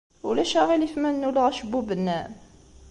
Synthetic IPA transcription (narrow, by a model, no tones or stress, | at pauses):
ulæʃæʁilifmænːulʁæʃəbubənːæ